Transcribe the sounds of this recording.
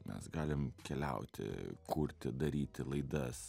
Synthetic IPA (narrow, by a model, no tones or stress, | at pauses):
mʲɛ̰sɡɑːlʲɪmkʲɛlʲɛ̰ʊt̪ʲɪ̰kʰuɾʲt̪ʲɪd̪ɐɾʲiːt̪ʲɪlˠɐɪd̪ɐs